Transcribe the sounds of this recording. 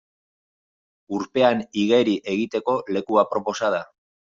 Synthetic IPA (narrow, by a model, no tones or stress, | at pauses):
uɾpe̞aniɣe̞ɾiʔe̞ɣ̞it̪e̞ko̞le̞kuapɾo̞po̞sað̞a